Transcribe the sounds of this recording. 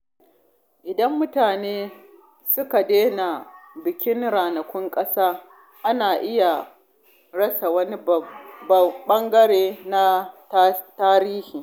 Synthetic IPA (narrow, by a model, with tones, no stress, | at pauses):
ʔɪ˨dɐ˦mːʊ˦taː˨neː˦ | sʊ˦ka˨deː˦na˨bɪ˨kʲɪ˦nɽaː˨nɐ˨kʷʊ˦ŋkʼɐ˦saː˦ | ʔa˦naː˨ʔɪ˦ja˨ | ɽɐ˦sa˨wɐ˦ni˦˨ | ɓɐ˦ŋɡɐ˦ɽeː˦na˦ttaː˦ɾiː˦hiː˨